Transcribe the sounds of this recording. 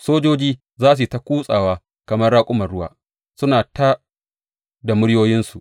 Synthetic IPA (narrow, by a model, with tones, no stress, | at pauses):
soː˦d͡ʒoː˦d͡ʒiː˦ | zaː˦s̬u˨ta˦kʷuː˦sʼaː˨waː˦ | kɐ˨mɐ˦rɽaː˦kʷʼʊ˦mɐ˨ɽʊ˦wa̰ː˨ | sʊ˦naː˨taː˦ | da˨mʊ˦ɽjoː˦jɪ˦nsu˨ʔ